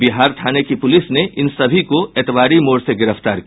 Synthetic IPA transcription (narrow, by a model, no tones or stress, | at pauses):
bɪɦaːɾt̪ʰaːnekipʊlɪsneʔɪnsɐbʱikoeːt̪ʋaːɾimoːɾseɡɪɾəfʰt̪aːɾk